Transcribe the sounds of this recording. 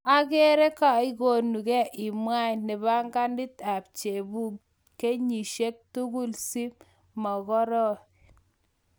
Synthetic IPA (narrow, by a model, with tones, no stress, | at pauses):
a˦ke˦ɾe˦ka˨i˦ko˨nu˨kɛ˦ʔɪ˨mwa˦jne˨ba˦ŋɡa˦ndɪ˦ta˨p̚t͡ʃe˨bu˦ | kːe˦ɲi˨ʃe˦k̚tu˦ɡu˦lsi˦m | mɔ˨ɣɔ˦ɾɔ˦